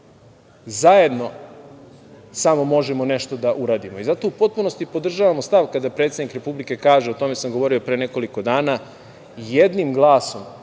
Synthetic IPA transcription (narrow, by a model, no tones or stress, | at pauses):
zaje̞d̪no̞ | samo̞mo̞ʒemo̞ne̞ʃt̪o̞d̪aʔuɾaːd̪imo̞izat̪o̞upo̞t̪̚puno̞st̪ipo̞d̪r̩ʒaʋamo̞st̪aʋkad̪apɾet̪sed̪nikɾe̞publike̞kaːʒeo̞t̪o̞me̞samɡo̞ʋo̞ɾio̞pɾeːne̞ko̞liko̞d̪aːna | jed̪nimɡlˠaːsom